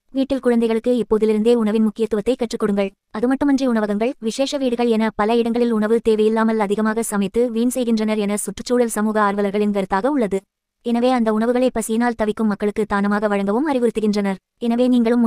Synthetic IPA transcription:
ʋiːʈːɪlkʊɻɐnd̪ɐɪɣɐɭɯkːɯɪpːoːðɪlɪɾɯnd̪eːʊɳɐʋɪnmʊkːɪjɐt̪ːɯʋɐt̪ːɐɪkːɐʈrɯkːɔɽɯŋɡɐɭ | ɐðɯmɐʈːɯmɐndriʊɳɐʋɐɣɐŋɡɐɭʋɪʂeːʂɐʋiːɽɯɣɐɭɛnɐpɐlɐɪɽɐŋɡɐɭɪlʊɳɐʋɯt̪eːʋɐjɪlːaːmɐlɐðɪɣɐmaːɣɐsɐmɐɪt̪ːɯʋiːnsɛjɣɪndrɐnɐɾɛnɐsʊʈrɯt͡ʃːuːɽɐlsɐmuːɣɐaːɾʋɐlɐɾɣɐɭɪnʋɐɾɯt̪ːaːɣɐʊɭːɐðɯ | ɛnɐʋeːɐnd̪ɐʊɳɐʋɯɣɐɭɐɪpːɐsɪjɐnaːlt̪ɐʋɪkːɯmːɐkːɐɭɯkːɯt̪ːaːnɐmaːɣɐʋɐɻɐŋɡɐʋɯmɐrɪʋʊɾɯt̪ːɯɣɪndrɐnɐɾ | ɛnɐʋeːniːŋɡɐɭɯm

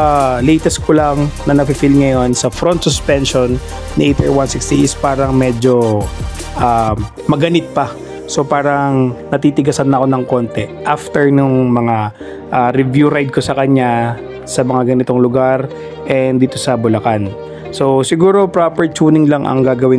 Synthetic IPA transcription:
alɛjt̪ɛskʰolɐŋnɐnɐpɪfɪlŋɐjo̞nsɐfɾont̪sʊspɛnʃonː | ɪʔejt̪ɛ̰ɹwansɪkst̪iʔɪspaːɾɐŋmɛd͡ʒo̞ | ʔa | mɐɡɐnɪt̪̚pɐ | so̞paːɾɐŋnɐt̪iːt̪ɪɡɐsɐnːɐʔɐko̞nɐŋko̞nt̪ɛʔaft̪ɛɹnʊŋmɐŋa | ʔaɾɪvjuɾajd̪̚ko̞sɐkɐɲa | sɐmɐŋaɡɐnɪt̪o̞ŋlʊɡaɾ | ʔɛnd̪iːt̪o̞sɐbʊlɐkan | so̞sɪɡuːɾo̞pɾopɛɹt͡ʃuːnɪŋlɐŋʔɐ̰ŋɡaːɡɐwɪn

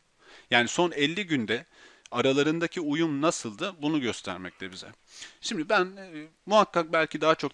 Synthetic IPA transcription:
jaːniso̞nɛlʲːiɟynd̪ɛ | aɾalˠaɾɯnd̪acʰiujumnasɯlˠd̪ɯbunuɟø̞st̪ʰæ̰ɾmɛc̚t̪ʰɛbizɛ̰ | ʃimd̪ibæn | muɦakːak̚bælʲcʰid̪aɦat͡ʃʰo̞k

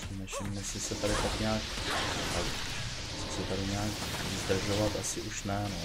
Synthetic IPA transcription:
nɛʃɪmnɛsɪsɛt̪aɾɪt̪akɲaːk | a̰ | sɪsɛt̪aɾɪɲaːk | zd̪r̩ʒo̞vat̪ʔasɪʔuʃnɛno

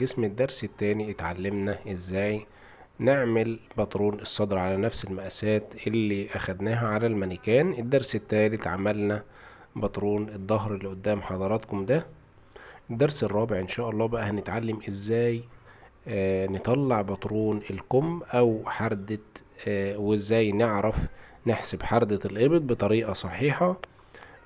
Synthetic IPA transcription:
ɡesmed̪ːɑɾˤset̪ːæːniʔet̪ʕalːemnæʔezːæːj | neʕmɪlbɑt̪ˤɾˤuːnesˤːɑd̪ɾʕalænæfselmæʔæsæːt̪ʔelːiʔæxæd̪næːɦæʕalælmænɪkæːnʔed̪ːɑɾˤset̪ːæːlet̪ʕamælnæ | bɑt̪ˤɾˤuːned̪ˤːɑɦɾlːiʔod̪ːæːmħɑd̪ˤɑɾˤɑt̪komd̪æ | ʔed̪ːɑɾˤserˤːɑːbeʕʔenʃæːʔɑlˤːɑːbæʔæhænɪt̪ʕalːæmʔezːæːj | net̪ˤɑlːɑʕbɑt̪ˤɾˤuːnelqomːʔæwħɑɾˤd̪e | wezːæːjneʕɾæfneħsebħɑɾˤd̪ɑlʔebed̪̚ˤbet̪ˤɑɾiːʔɑsˤɑħiːħɑ

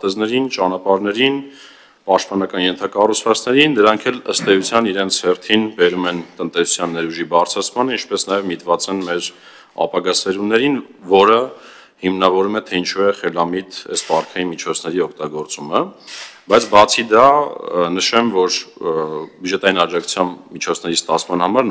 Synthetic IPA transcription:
t̪ɛznɛɾint͡ʃɑnɑpɑɾnɛɾin | pɑʃt̪̚pɑnɑkɑnjɛnt̪ʰɑkɑrut͡sʰvɑt͡sʰnɛɾind̪əɾɑŋkʰɛləst̪ɛjut͡sʰjɑniɾɛnt͡sʰhɛrt̪ʰinbɛɾumɛnt̪ənt̪ɛsu̥t͡sʰjɑnːɛɾuʒibɑrt͡sʰɾɑt͡sʰmɑnəint͡ʃʰpɛsnɑjɛvmit̪vɑt͡sɛnmɛɾ | ɑ̰pɑɡɑsɛɾunɛɾinvɔɾə | himnɑvɔɾumɛt̪ʰɛint͡ʃʰuɛχɛlɑmit̪ɛspɑɾkʰɑjinmit͡ʃʰɔt͡sʰnɛɾiɔkʰt̪ɑɡɔɾt͡suməbɑjt͡sʰbɑt͡sʰid̪ɑnəʃɛmvɔɾ | bjud͡ʒɛt̪ɑinɑd͡ʒɑkʰu̥t͡sʰjɑmbmit͡ʃʰɔt͡sʰnɛɾist̪ɑt͡sʰmɑnhɑmɑɾ

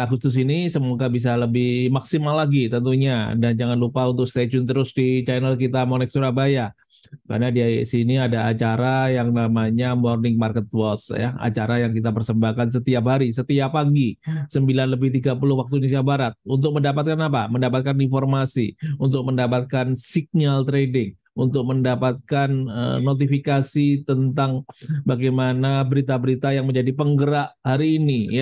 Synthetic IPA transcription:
aɡʊst̪ʊs̬inisəmuɡabis̬aləbɪhmaksimalːaɡit̪ənt̪uɲa̰dand͡ʒaŋanlupaunt̪ʊk̚st̪ed͡ʒʊnt̪əɾʊsdit͡ʃanəlkit̪amonɛk̚suɾabaja | ka̰rnadiasiniadaːt͡ʃaɾajaŋnamaɲamɔrnɪŋmarkət̪̚wɔt̪sja̰a̰t͡ʃaɾajaŋkit̪apərsəmbahkans̬ət̪iap̬ɦaɾisət̪iapːaɡisəmbilanləbɪht̪iɡapulʊhwak̚t̪unes̬iabaɾat̪̚unt̪ʊk̚məndapat̪̚kanapaməndapat̪̚kaninformasḭunt̪ʊk̚məndapat̪̚kansiɡ̚nalt̪ɾedɪŋ | unt̪ʊk̚məndapat̪̚kanə̰ːot̪̬ifikasit̪ənt̪aŋbaɡajmanabəɾit̪abəɾit̪ajaŋməɲd͡ʒadipəŋɡəɾaʔhaɾiːnija

